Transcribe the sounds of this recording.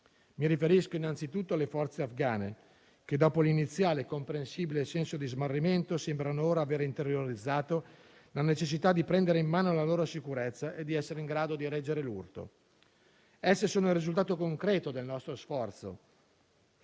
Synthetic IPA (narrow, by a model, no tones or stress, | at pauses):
miɾifeɾiskoinːant̪sit̪ut̪ːoalefɔrt̪seafɡaːnḛ | k̟ed̪ɔːpolinit̪sːjaːlekompɾensiːbilesɛnsod̪izmarːiment̪osembɾanoːɾaːveːɾeint̪eɾjoɾid̪zːaːt̪o | lanet͡ʃes̬ːit̪ad̪ipɾɛnd̪eɾeimːaːnolaloːɾosikuɾet̪sːaʔed̪ːiɛsːeɾeiŋɡɾaːd̪od̪iɾɛd͡ʒeɾelurt̪o̰ | ɛsːesoːnoirizult̪aːt̪okoŋkɾɛːt̪od̪elnɔst̪ɾosfɔrt̪so̰